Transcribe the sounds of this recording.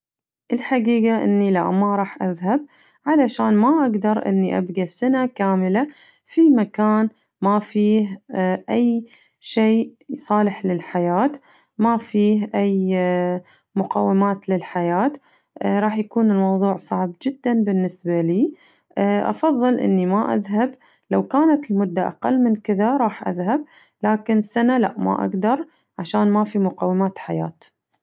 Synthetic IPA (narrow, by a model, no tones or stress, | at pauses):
ʔɪlħaɡiːɡaʔɪ̰nːila̰ʔmaɾˤɑːħʔaðhab̚ | ʕalaʃaːnmaʔaɡd̪ɑɾˤʔɪ̰nːiʔa̰bɡasanakaːmɪla | fimakaːn | mafiːhʔaj | ʃeːsˤɑːlɪħlɪlħajaːt̪ | mafiːhʔaj | mʊqaːwːɪmaːt̪lɪlħajaːt̪ | ɾˤɑːħjakuːnɪlmɑwðˤuːʕsˤɑʕbd͡ʒɪd̪ːanbɪnːɪsbaliː | ʔʔɑ̰fɑðˤːɨlʔɪ̰nːimaʔa̰ðɦab | lawkaːnat̪ɪlmʊd̪ːaʔa̰qa̰lːmɪnkɪðaɾˤɑːħʔa̰ðhab̚ | laːkɪnɪsːanala̰ʔma̰ʔa̰ɡd̪ɑɾˤ | ʕaʃaːnmafimʊqawːɪmaːt̪ħaja̰ːt̪